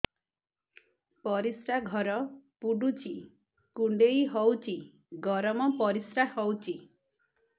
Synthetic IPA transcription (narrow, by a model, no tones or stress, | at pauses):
pɔɾisɾaɡʱɔɾɔpuɖut͡ʃʰi | kuɳɖejɦɔwt͡ʃʰi | ɡɔɾɔmɔpɔɾisɾahɔwt͡ʃʰi